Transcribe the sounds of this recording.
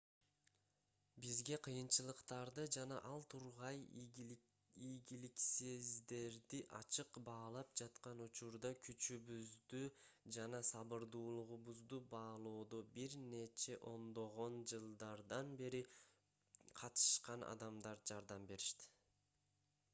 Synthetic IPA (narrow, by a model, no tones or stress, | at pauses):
bizɡe̞qʰɯjɯnt͡ʃɯlˠɯqt̪ɑɾd̪ɯd͡ʒɑnɑ̰ʔɑlˠt̪ʰuɾʁɑj | ijɡilikse̞zd̪e̞ɾd̪iʔɑ̰t͡ʃɯqbɑːlˠɑp̚d͡ʒɑt̪qɑnut͡ʃuɾd̪ɑkʰyt͡ʃyβyzd̪yd͡ʒɑnɑsɑβɯɾd̪uːlˠuʁuβuzd̪ubɑːlˠoːd̪obiɾne̞t͡ʃe̞ʔo̞nd̪o̞ʁo̞nd͡ʒɯlˠd̪ɑɾd̪ɑnbe̞ɾi | qʰɑt̪ɯ̥ʃqɑnʔɑ̰d̪ɑmd̪ɑɾd͡ʒɑɾd̪ɑmbe̞ɾiʃt̪i̥